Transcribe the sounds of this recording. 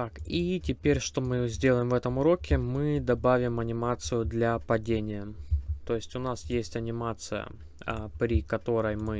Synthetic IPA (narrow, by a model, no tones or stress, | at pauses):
t̪akitʲɪpʲeɾʲʂt̪o̞mɨzʲdʲe̞lˠəjɪmvɛt̪əmʊɾo̞kʲɪmɨd̪ɐbavʲɪmɐnʲɪmat̪sɨjʊd̪lʲapɐdʲenʲɪjət̪o̞jɪsʲtʲʊnasjesʲtʲɐnʲɪmat̪sɨjə̰ | əpɾʲɪkɐt̪o̞ɾəjmɨ